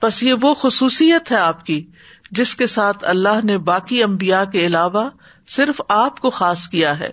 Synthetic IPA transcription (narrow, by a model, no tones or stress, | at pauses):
pɐsjeʋoxʊsuːsijət̪ɦɛaːpki | d͡ʒɪskesaːt̪ʰɐ̰lːaɦnebaːkiɐ̃mbijakeɪlaːʋa | sɪɾfaːpkoxaːskijaɦɛ̰ː